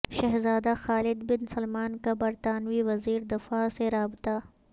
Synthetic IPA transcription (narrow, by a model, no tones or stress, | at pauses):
ʃɐɦzaːd̪axaːlɪd̪bɪnsɐlmaːnkabɐɾt̪aːnwiwɐziːɾd̪ɪfaːseɾaːbɪt̪a